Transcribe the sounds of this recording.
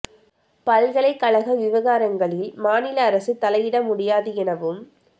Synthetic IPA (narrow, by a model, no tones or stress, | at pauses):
pɐlɣɐɭɐɪkːɐɭɐɣɐʋɪʋɐɣaːɾɐŋɡɐɭɪlmaːnɪlɐːɾɐsɯt̪ːɐlɐjɪɽɐmʊɽɪjaːðɯɛnɐʋɯm